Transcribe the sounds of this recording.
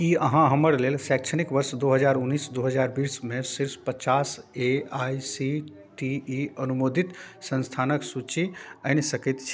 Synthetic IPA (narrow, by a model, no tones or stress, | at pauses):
kiəɦãɦəməɾlelsɛkt͡ʃʰənikʋəɾsd̪oɦəd͡ʒaɾunːisd̪uɦəd͡ʒaɾbismesiɾppət͡ʃaseajsi | ʈiiənumod̪ʱit̪sə̃nst̪ʰanəksut͡ʃiəɪnsəkɛt̪t͡ʃʰi